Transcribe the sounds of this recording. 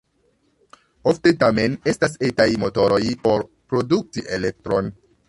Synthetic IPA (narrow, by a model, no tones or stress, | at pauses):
o̞fte̞tame̞ne̞stas̬etajmo̞to̞ɾo̞jpo̞ɾpɾo̞duk̚tiʔe̞le̞k̚tɾo̞n